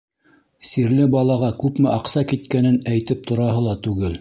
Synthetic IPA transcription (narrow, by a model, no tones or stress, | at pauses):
siɾlɘbɑlˠɑʁɑkʉpmɘʔɑqsɑkit̪kænɘnæjt̪ɘp̚t̪ŏɾɑɦɤlˠɑt̪ʉɡɘl